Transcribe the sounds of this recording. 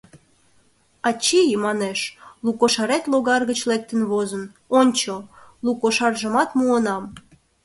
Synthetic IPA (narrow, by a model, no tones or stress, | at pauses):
ɑt͡ɕijmɑneʃlukoʃɑɾet̪loɣɑrɣət͡ɕlek̚t̪ənβozə̆n | onʲt͡ɕolukoʃɑrʒəmɑt̪muənɑm